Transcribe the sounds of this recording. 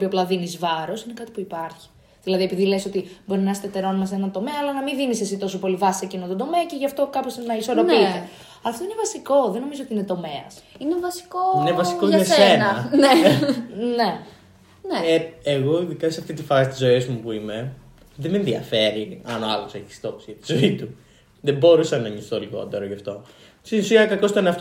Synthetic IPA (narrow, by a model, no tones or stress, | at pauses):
opioplɐðinizvɐɾo̞sine̞kɐt̪i̥puipɐɾçi̥ | ðilɐðie̞piðileso̞t̪ibo̞ɾinɐest̪et̪eɾo̞numɐsenɐnt̪o̞me̞ɐːlɐnɐmiðinise̞sit̪o̞so̞po̞livɐsiecinot̪od̪o̞me̞ɐce̞ʝɐft̪o̞kɐposinnɐiso̞ɾo̞it̪e | ɐft̪o̞inevɐsiko̞ðeno̞mizoot̪iinet̪o̞meɐsinevɐsi̥koinevɐsikoʝɐsenɐɐne | ne | neeeɣo̞ðikɐsɐft̪it̪ifɐsist̪izo̞izmupuime̞ | ðemenðiɐfe̞ɾiɐnoɐ̰lo̞se̞çi̥st̪o̞psiɐit̪i̥zo̞it̪u | ðebo̞ɾusɐnɐɲist̪oliɣo̞̰t̪e̞ɾoʝɐft̪o̞ | st̪inusiɐkɐko̞st̪oneɐft̪o